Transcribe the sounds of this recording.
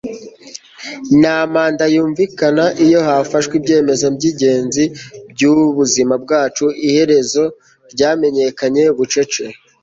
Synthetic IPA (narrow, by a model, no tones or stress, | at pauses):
naːmaːndajuːɱvikanaʔijo̞hafaʃwibɟe̞ːme̞zabɟiɟe̞ːnzibɟuβuzimabɡaːt͡ʃuihe̞ɾe̞zo̞ | ɾɟaːme̞ɲe̞kaɲe̞βut͡ʃe̞t͡ʃe̞